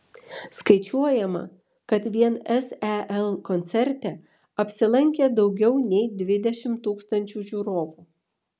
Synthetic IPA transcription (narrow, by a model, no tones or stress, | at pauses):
skɐɪt͡ʃʲuɔjɛmɐ̰ | kɐt̪ʋʲiɛnɛsɛʔɛlˠkɔnʲt̪sʲɛɾʲt̪ʲɛ | ɐpʲsʲɪlˠɐŋʲkʲeːd̪ɒʊɡʲɛʊnʲɛɪd̪ʲʋʲɪd̪ʲɛʃʲɪmt̪uːkst̪ɐnʲt͡ʃʲuːʒʲuːɾoːʋuː